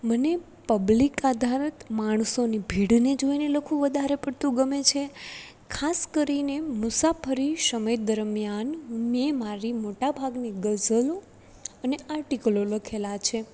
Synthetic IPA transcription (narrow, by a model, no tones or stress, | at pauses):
məne | pəblikad̪ʱaɾət̪maɳ̃sonibʱiɽned͡ʒoineləkʰũʋəd̪ʱaɾepəɽt̪ũɡəmet͡ʃʰe | kʰaskəɾinemʊsapʰəɾiʃəmed̪əɾmjannemaɾimoʈabʱaɡneɡəzəlo | əneaɾʈikəloləkʰelat͡ʃʰe